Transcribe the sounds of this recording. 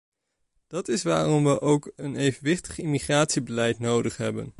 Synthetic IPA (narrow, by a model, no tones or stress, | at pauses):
d̥ɑtɪsʋa̰ːrɔmʋəʔowkənejvənʋɪχtə̥χimiχraːtsibəlɛjtnowdəχɦɛ̰bə̰n